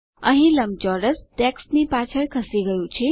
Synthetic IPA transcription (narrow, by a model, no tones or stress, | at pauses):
ə̰ɦĩləmd͡ʒɔɾəsʈ̪eksmipat͡ʃʰəɾkʰəsiɡəjũt͡ʃʰi